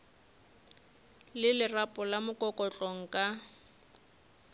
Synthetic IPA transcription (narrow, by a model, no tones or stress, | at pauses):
lɪlɪrapʼɔlamʊkʼɔkʼɔt͡ɬʼɔŋ̩kʼa